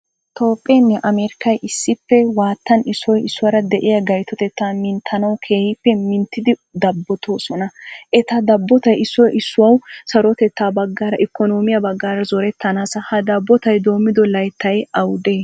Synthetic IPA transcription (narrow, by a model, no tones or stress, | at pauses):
t̪ʰo̞ːpʼːenːɛʔɐmeːɾɪkɐjʔɪsːɪpːɛwaːt̪ːɐnɪsːɔjɪsːʊwɐɾɐd̪ɛʔɪjɐɡɐjt̪ɔt̪ɛt̪ːaːmɪnt̪ʰːɐnɐwkʰe̞ːhɪpːɛmɪnt̪ːɪd̪ɪd̪ɐbːɔt̪ʰo̞ːsɔnɐʔɛt̪ɐd̪ɐbːɔt̪ɐjɪsːɔjʔɪsːʊwɐwsɐɾɔt̪ɛt̪ːaːbɐɡːaːɾɐʔɪkːɔnoːmɪjɐbɐɡːaːɾɐzɔɾɛt̪ːɐnaːsɐhɐd̪ɐbːɔt̪ɐjd̪o̞ːmːɪd̪ɔlɐjt̪ːɐjɐwd̪eː